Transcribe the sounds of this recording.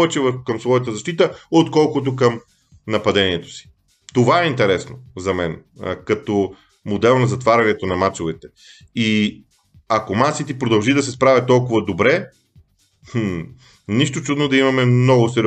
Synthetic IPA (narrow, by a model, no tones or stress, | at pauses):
vɛt͡ʃɛvəɾxkɐmsvɔjɐt̪əzɐʃt̪it̪əot̪kɔlˠkʊt̪okɐm | nɐpɐd̪ɛniɛt̪o̥si̥ | t̪ovaɛint̪ɛɾɛsnozɐmɛnkɐt̪ɔ | mod̪ɛlˠnɐzɐt̪vaɾʲɐnɛt̪onɐmat͡ʃovɛt̪ɛ | i | akomasit̪ipɾod̪ɐlˠʒid̪ɐsɛspɾavʲɐt̪t̪ːɔlˠkʊvɐd̪obɾɛ | niʃt̪ot͡ʃud̪nod̪ɐimɐmɛmnɔɡʊsɛɾi